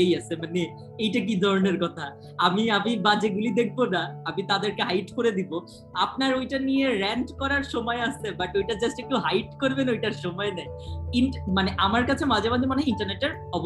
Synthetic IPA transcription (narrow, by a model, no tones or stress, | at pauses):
ejasʰemane | ejʈak̬id̪ʱɔɾoneɾkɔt̪ʰa | amiamibad͡ʑeɡulid̪ek̚ʰbonaamit̪ad̪eɾkeɦajʈkoɾed̪ibo | ap̚naɾojʈanijeɾɛɳʈkɔɾaɾʃɔmɔeasebaʈojʈad͡ʑasʈek̚ʈuɦajʈkoɾbenojʈaɾʃɔmɔenɛinʈmaneʔamaɾkat͡ɕʰemad͡ʑʱamad̪ʱimaneiɳʈaɾneʈeɾ | ɔbo